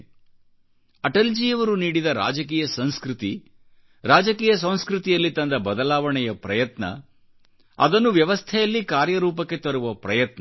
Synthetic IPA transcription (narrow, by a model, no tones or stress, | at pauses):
ɐʈɐld͡ʒiːjɐʋɐɾuniːɽid̪ɐɾa̰ːd͡ʒɐk̬iːjɐsɐ̃w̃skɾut̪i | ɾaːd͡ʒɐkiːjɐs̬ɐ̃w̃skɾut̪ijɐlːit̪ɐnd̪ɐbɐd̪ɐlaːʋɐɳɛjɐpɾɐjɐt̪nɐ̰ | ɐ̰d̪ɐnːuʋjɐʋɐst̪ʰɛjɐlːikaːɾjɐɾuːp̬ɐkːe̞t̪ɐɾuʋɐpɾɐjɐt̪nɐ